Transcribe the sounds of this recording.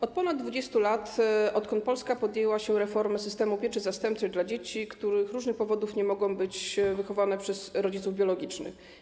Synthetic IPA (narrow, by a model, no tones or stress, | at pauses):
ɔt̪̚pɔnad̪̚d̪vud͡ʑest̪ulat̪ɔt̪kɔ̃nt̪̚pɔlskapɔd̪jɛwaɕɛɾɛfɔɾmɘsɘst̪ɛmupʲjɛt͡ʂɘzast̪ɛmp̚t͡s̪ɛɣd̪lad͡ʑet͡ɕikt̪uɾɘxɾuʐnɘxpɔvɔd̪ufɲɛmɔɡɔ̃w̃bɘt͡ɕvɘxɔvanɛpʂɛzɾɔd͡ʑit̪suvbjɔlɔɡʲit͡ʂnɘ̰x